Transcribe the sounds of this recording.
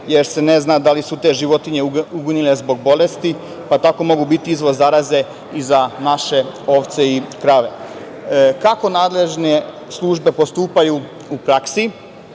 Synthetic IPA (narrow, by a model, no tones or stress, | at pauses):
je̞ɾse̞ne̞znad̪alisut̪e̞ʒiʋo̞t̪iɲe̞uɡunile̞zbo̞ɡ̚bo̞le̞st̪i | pat̪ako̞mo̞ɡubit̪iizʋo̞zːaɾaze̞ | izanaʃe̞o̞ʋt̪se̞ikɾaːʋe̞ | kako̞naːd̪le̞ʒne | slˠuʒbe̞po̞st̪uːpaju | upɾaksi